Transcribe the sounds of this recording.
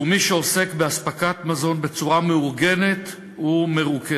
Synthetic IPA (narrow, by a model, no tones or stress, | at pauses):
miʃeo̞se̞kbeaspakat̪mazo̞nbe̞t͡suʁameuʁɡe̞ne̞t̪ | ume̞ʁuke